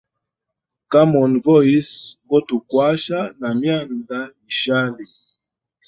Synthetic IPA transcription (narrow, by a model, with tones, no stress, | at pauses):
ka˦mɔ˨nvɔ˦i˦sɡɔ˦tu˨kwa˦ʃa˦na˨mja˦nda˦i˨ʃa˦li˨